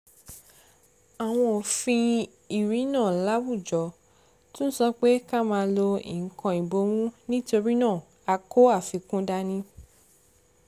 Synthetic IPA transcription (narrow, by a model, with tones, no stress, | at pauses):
a˨w̃ɔ̃˧o˨fĩ˧ | i˨ɾi˨˦nãː˦˨la˦wu˦˨d͡ʒɔ˨˦ | tũ˦n̩˦sɔ˦k͡pe˦ka˦mãː˧lo˧ḭ˨˦kɔ̃˧i˨bo˨˦mũ˦nĩ˦to˧ɾi˦nãː˦˨ | a˧kʰo˦a˦˨fĩ˨˧kũ˦da˧nĩ˧